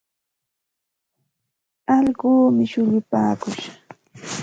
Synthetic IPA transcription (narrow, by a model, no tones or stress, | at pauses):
ɑʎɢuːmɪʃʊʎʊpaːkʊʃḁ